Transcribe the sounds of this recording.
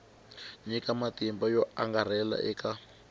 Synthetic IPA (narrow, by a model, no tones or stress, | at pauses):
ɲikamatimbajɔaŋɡar̤ɛla̰ʔɛka